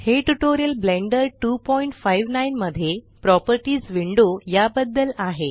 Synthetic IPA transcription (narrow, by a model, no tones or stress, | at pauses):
heʈuʈoɾijəlblẽɳɖəɾʈupɔiɳʈfaiʋnainməd̪ʱːje | pɾɔpəɾʈiːd͡zʋiɳɖojabəd̪ːəlaɦe